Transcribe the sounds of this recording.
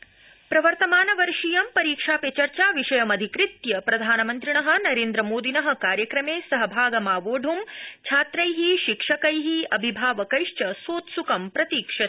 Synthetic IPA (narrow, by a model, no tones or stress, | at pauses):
pɾɐʋɐɾt̪ɐmaːnɐʋɐɾʂijɐmpɐɾiːkʂaːpet͡ʃɐɾt͡ʃaːʋiʂɐjɐmɐd̪ʱikɾit̪jɐpɾɐd̪ʱaːnɐmɐnt̪ɾiɳɐɦɐ̆nɐɾeːnd̪ɾɐmoːd̪ʱinɐɦɐ̆kaːɾjɐkɾɐmeːsɐɦɐbʱaːɡɐmaːʋoːɖʱumt͡ʃʰaːt̪ɾɐjɦiʃikʂɐkɐjɦiɐbʱibʱaːʋɐkɐjʃt͡ʃɐsoːt̪sukɐmpɾɐt̪iːkʂɐ